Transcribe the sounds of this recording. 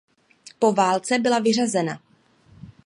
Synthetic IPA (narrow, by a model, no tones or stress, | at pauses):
po̞vaːlt͡sɛbɪlavɪrazɛna